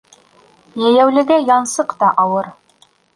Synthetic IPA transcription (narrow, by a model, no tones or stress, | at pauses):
jæjæwlɘ̆ɡæjɑnsɤqt̪ɑʔɑwɤɾ